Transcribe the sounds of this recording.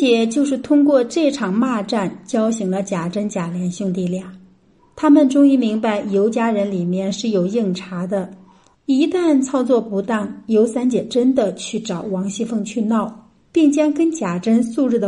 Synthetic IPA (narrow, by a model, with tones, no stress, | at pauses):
t͡ɕɛ˨˩t͡ɕjo˥˧ʊʂ̬ɻ̩˥˩t̪ʰʊ˥ŋkwɔ˥˧ʈ͡ʂɤ˥˩ʈ͡ʂʰɑ˨˩ŋma˥˧ʈ͡ʂa˥˩nt͡ɕjɑ˥ʊɕi˧˥ŋlə˧t͡ɕja˨˩ʈ͡ʂə˥nt͡ɕja˨˩ljɛ˧˥nɕju˥˧ŋt̪̬i˥˧ljɑ˥˩ŋ | t̪ʰa˥mə˨nʈ͡ʂʊ˥ŋi˥mi˧˥ŋpa˧˩ɪjo˧˥ʊt͡ɕja˥ɻə˧˥nli˨˩mjɛ˥˧nʂɻ̩˥˩jo˨˩ʊji˥˩ŋʈ͡ʂʰa˧˥d̪ə˧ | i˧˥t̪a˥˩nt͡sʰɑ˥ʊt͡swɔ˥˩pu˧˥t̪a˥˩ŋjo˧˥ʊsa˥nt͡ɕjɛ˨˩ʈ͡ʂə˥nd̪ə˨t͡ɕʰy˥˩ʈ͡ʂɑ˨˩ʊwɑ˧˥ŋɕi˥fɤ˥˧ŋt͡ɕʰy˥˧nɑ˥˩ʊ | pi˥˩ŋt͡ɕjɑ˥ŋkə˥nt͡ɕja˨˩ʈ͡ʂə˥nsu˥˧ɻ̩˥˩d̪ə˩